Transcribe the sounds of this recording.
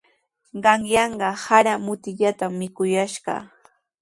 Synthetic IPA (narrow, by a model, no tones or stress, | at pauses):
ɢɑŋjɑɴɢɑhaɾamʊt̪ɪʎat̪amːɪkʊjaʃɢɑ̰